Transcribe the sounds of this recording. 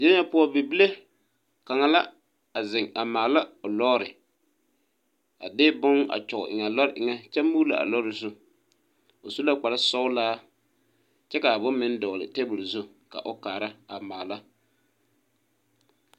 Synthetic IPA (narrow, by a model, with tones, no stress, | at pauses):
d͡ʒɛ˦ɲa˦pʊ˦ɔ˦bi˨bi˦le˦ | ka˨ŋa˨la˦ | a˨zɪ˨ŋa˨maː˨la˦o˨lɔ˦ɾɪ˨ | a̰˨dɪː˦bʊ˦ŋa̰˨t͡ʃɔ˨ɣʊ̰˨ʔɪ˨ŋa˨lɔ˦ɾɪ˨ʔɪ˨ŋa˦t͡ʃɛ˦muː˦la̰˨a̰˨lɔ˦ɾɪ˨zʊ˦ | o˨su˦la˦k͡pa˨la˦sɔ˦ʊ˦laː˦ | t͡ʃɛ˦ka˨bʊ˦mmɪ˦n˦dɔː˨lɪ̰˨te˦bʊ˨lzʊ˦ | ka̰˨ʔo˦kaː˨ɾa˦a˨maː˨la˦